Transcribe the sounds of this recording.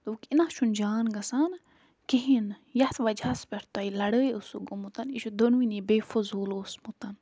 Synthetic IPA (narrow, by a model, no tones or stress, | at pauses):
t̪oːkʲinaʃund͡ʒaːnɡɐsan | kiɦinjɐt̪ʰʋɐd͡ʒaspʲeɾt̪ajlɐɽəːjusuɡomut̪ɐniʃud̪onwinibeːfozuːloːsmut̪ɐn